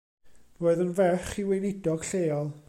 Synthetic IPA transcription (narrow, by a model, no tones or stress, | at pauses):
roːɨðənvɛχiwɪjnɪdɔɡ̥ɬeːɔlˠ